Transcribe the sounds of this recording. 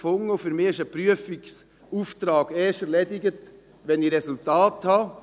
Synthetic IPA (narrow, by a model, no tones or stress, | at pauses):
fʊŋofyɾmɪɪʃəpɾyəfɪɡs | uːft̪ɾɑːɡ̥eːʃəɾleːd̪ɪɡət̪ | ʋɛniɾɛsult̪ɑːthɑː